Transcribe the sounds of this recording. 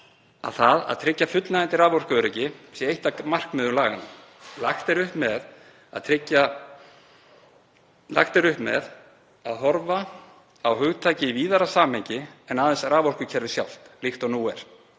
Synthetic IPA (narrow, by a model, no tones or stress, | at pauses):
a̰θaða̰ðt̪ʰɾɪcːafʏt̪laant̪ɪɾraːvɔr̥kʏœɾɪcɪsjɛejht̪amar̥kmɛðʏmlaːɣɪn | laxt̪ɛɾʏhpmɛð | a̰t̪ʰɾɪcːa | la̰xt̪ɛɾʏhpmɛ̰ð | aðɦɔɾva | awhʏɣt̪ʰaːjcɪiviːðaɾasaːmhejɲcɪɛnaːðɛnsraːvɔr̥kʏcʰɛɾvɪsja̰wl̥t̪lixt̪ɔnuːɛ̰ɾ̥